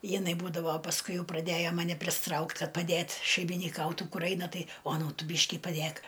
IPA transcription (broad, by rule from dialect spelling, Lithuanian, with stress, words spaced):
jɪˈnɐɪ ˈbuːdɐʋoː pɐsˈkʊɪ ˈjɛʊ prɐˈdʲeːjoː mɐˈnʲɛ pʲrʲɪsʲɪˈtrɐʊkt ˈkɐt pɐˈdʲeːt ʃʲɛɪmʲɪnʲɪˈkɐʊtʊ ˈkʊr ˈɐɪnɐ ˈtɐɪ oːˈnuːt ˈtʊ ˈbʲiːʃʲkʲɪ pɐˈdʲeːk